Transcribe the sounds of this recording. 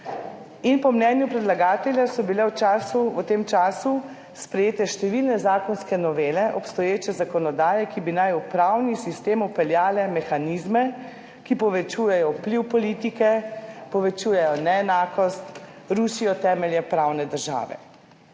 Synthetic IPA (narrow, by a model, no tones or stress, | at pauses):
inpɔmnɛnjupɾɛd̪laɡaːt̪ɛlʲjasɔbilɛwt͡ʃasuʋət̪eːmt͡ʃaːsu | spɾɛjeːt̪ɛʃt̪ɛʋilnɛzaːkɔnskɛnɔʋeːlɛʔɔpst̪ɔjeːt͡ʃɛzakɔnɔd̪aːjɛkibinajupɾawnisist̪eːmupɛljaːlɛmɛxanizmɛ | kipɔʋɛt͡ʃuːjɛjɔpliwpɔlit̪ikɛpɔʋɛt͡ʃuːjɛjɔnɛɛnaːkɔst̪ɾuʃijɔt̪ɛːmɛljɛpɾawnɛd̪əɾʒa̰ːʋɛ̰